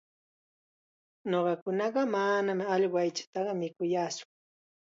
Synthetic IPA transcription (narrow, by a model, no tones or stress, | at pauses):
noɢɑkʊnɑɢɑmanamɑʎwajt͡ʃḁt̪ɑɢɑmɪkʊjaːsʊ̥